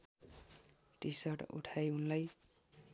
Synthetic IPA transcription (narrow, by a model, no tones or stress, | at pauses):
ʈisʌʈṵʈʰajunlaj